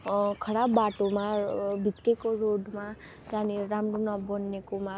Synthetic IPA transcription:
kʰʌɽabːaʈomãbʱit̪kekoɾoɖma | janiɾamɾonɔbɔnːekomã

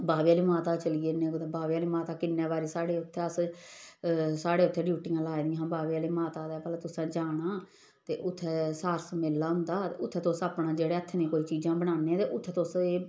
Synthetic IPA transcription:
baːʋiːaːliːmaːt̪aːt͡ʃəliːenẽːot̪ebaːʋiːaːliːmaːt̪aːkɪnːeːbaːɾeːsaːɽeːʊt̪ʰːɛːəs | saːɽeːʊt̪ʰːeːɖjuːʈɪjãːlaːed̪ɪ̃ɦãːbaːʋeːaːliːmaːt̪aːd̪ɛːpɛlaːt̪ʊsɛ̃ːd͡ʒaːɽ̃aː | t̪eːʔʊt̪ʰːɛːsaːɾsmɪlːaːɦʊ̃nd̪aːt̪eʊt̪ʰːɛːt̪ʊsaːpɳãːd͡ʒeːɽeːət̪ʰːɛnẽːkoːiːt͡ʃiːd͡ʒãːbəɽ̃aːneːɛ̃t̪eːʔʊt̪ʰːɛːt̪ʊseː

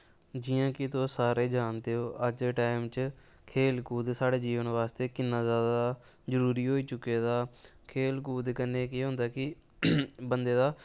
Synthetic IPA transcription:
d͡ʒɪːãːkɪt̪oːsaːɾeːd͡ʒaːnd̪eːɦoːʔəd͡ʒʈaːɪmt͡ʃ | kʰeːlkuːd̪saːɽeːd͡ʒiːʋənʋaːst̪eːkɪnːaːzjaːd̪aː | zəɾuːɾiːɦoːiːt͡ʃʊkːeːd̪aːkʰeːlkuːd̪kənːeːkɪɦʊ̃nd̪aːkɪ | bənd̪eːd̪aː

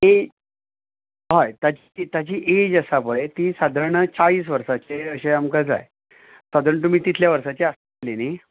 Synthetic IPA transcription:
e | ɦajt̪jat͡ɕit̪jat͡ɕiːʔed͡ʑəsapəɭet̪iːsad̪ʱəɾɳət͡saɭiːs̬ʋəɾsat͡ɕeəɕeamkad͡za̰j | sad̪ʱəɾɳət̪̬um̤iːt̪it̪ʰljaʋəɾsat͡ɕeas | leni

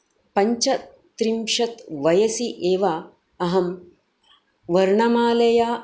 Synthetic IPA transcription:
pɐɲt͡ʃɐ | t̪ɾimʃɐt̪ʋɐjɐsiʔeːʋa | ɐɦɐm | ʋɐɾɳɐmaːlɐjaː

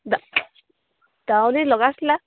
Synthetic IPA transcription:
d̪a | d̪̥awnelɔɡasla

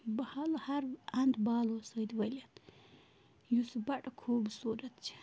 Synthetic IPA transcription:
bɐhalohɐɾɐnd̪baːlosoid̪ʋɐlʲɐt̪ | jusubɐʈɐkʰoːbsuːɾɐt̪t͡ʃʰi̥

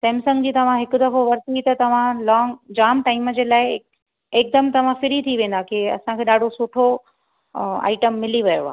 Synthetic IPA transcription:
sɛ̃ːmsɐ̃ŋɡd͡ʑiːt̪ɐʋ̤ãɦɪkʊd̪ɐfoʋɐɾt̪it̪ɐt̪ɐʋ̤ãlɔːŋɡd͡ʑaːmʈaːɪməd͡ʑeːlaːɪ | eːk̚d̪ɐmt̪ɐʋ̤ãfɪɾit̪ʰiʋẽːn̆d̪akeɐ̰sãkʰeːɗaːɖʱosʊʈʰo | a̰ːɪʈəmːɪliʋɐjo̰aːɦ

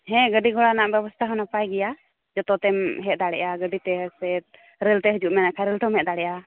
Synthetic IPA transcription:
hɛ̃ɡəɖiɡʱɔɽanaʔbɛbɔst̪ʰaɦɔnapajɡɛja | d͡ʒɔt̪ɔt̪ɛmɦɛt̪̚d̪aɽɛ̰ʔaɡəɖit̪ɛsɛt̪̚ | ɾɛlt̪ɛɦəd͡ʒuʔmɛnakʰaɾɛlt̪ɔmɛt̪̚d̪aɽɛʔja

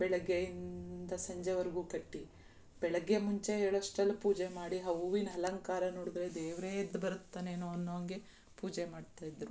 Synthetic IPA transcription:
bɛɭɐɡːejind̪ɐsɐɲd͡ʒeʋɐɾiɡuːkɐʈːi | b̥ɛɭɐɡːemuɲt͡ʃeɦeːɭɐʂʈɐlːupuːd͡ʒemaːɽiɦɐʋuʋinɦɐlɐŋkaːɾɐnoːɽud̪ɾe̞d̪eːʋɾed̪ːbɐɾut̪ːaːneːnoɐnːoːɐŋɡe | puːd͡ʒemaːɖt̪aːjid̪ɾu

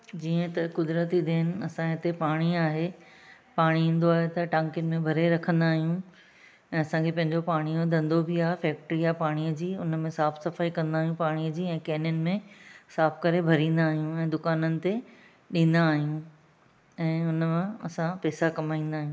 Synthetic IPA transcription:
d͡ʑiːə̃t̪ɐkʊd̪ɾət̪id̪eːn̆ɐsãɦɪt̪epaːɽ̃iaːɦe | paːɽ̃iĩːn̆d̪oaːɦet̪ɐʈãːŋkɪnɪ̆mẽbʱɐɾeɾɐkʰə̃nd̪aːɦijũ | ɛ̃ːɐsãkʰepɐ̃ɦɪ̃ɲd͡ʑopaːɽ̃ijod̪ʱɐ̃nd̪obɪaːɦefɛːk̚ʈɾiapaːɽ̃iəd͡ʑiːʊnəmẽsaːfsɐfaːikɐ̃nd̪aːɦjũpaːɽ̃ijəd͡ʑiːɛ̃ːkeːnjʊnɪ̆mẽsaːfkɐɾebʱɐɾĩːn̆d̪aːɦijũɛ̃ːd̪ʊkaːnənɪ̆t̪e | ɗĩːn̆d̪aːɦijũ | ɛ̃ːʊnmãɐsãpɛːsakɐmaːĩːn̆d̪aːɦijũ

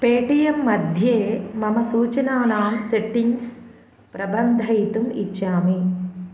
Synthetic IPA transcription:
peːʈijɐmːɐd̪ʱjeːmɐmɐsuːt͡ʃɐnaːnaːmseʈːiŋs | pɾɐbɐnd̪ʱɐjt̪umḭt͡ʃːaːmi

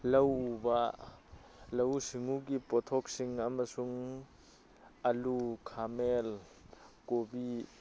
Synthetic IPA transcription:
lawba | lɐwsiŋuɡipɔt̪ʰɔk̚siŋamasuŋ | alukʰamel | kobi

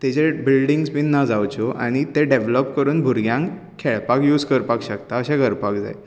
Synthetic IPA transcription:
t̪et͡ɕebilɖiŋɡspinnːad͡zawt͡ɕoʔa̰ɽ̃it̪eɖeʋləpkəɾuːnbʱuɾɡjãŋ | kʰeɭpakjuːd͡zkəɾpakɕəkt̪aəɕãɡəɾpakd͡za̰j

